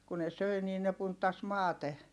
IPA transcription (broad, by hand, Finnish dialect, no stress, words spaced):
ku ne søi niː ne puntːɑs mɑːte